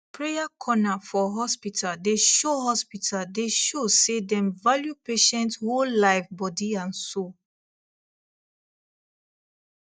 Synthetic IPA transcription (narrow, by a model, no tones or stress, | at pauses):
pʰɹejakʰɔnafɔɦɔspitʰaldeʃoɦɔspitʰaldeʃosedɛ̃mvaljupeʃɛ̃nthollaɪfbɔdiãnso